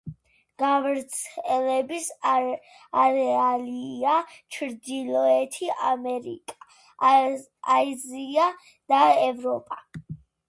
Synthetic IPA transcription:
ɡ̥avɛɾt̪sʰɛlɛbis | aɾɛaliat͡ʃʰɾd̪ilɔɛt̪ʰiamɛɾḭkʼa | azia | d̪̥aɛvɾɔpʼa

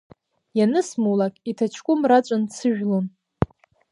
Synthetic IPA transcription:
janɨsmulakʼitʰat͡ʃʰkʷʼʊmrat͡ɕʷʼant͡sʰɨʒᶣlon

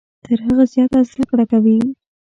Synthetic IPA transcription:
t̪ʰəɾɦəɣazjɑt̪aznakɽakawi

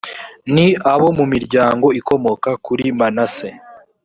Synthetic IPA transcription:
niaβo̞mumiɾɟaːŋɡo̞iko̞mo̞kakuɾimanase

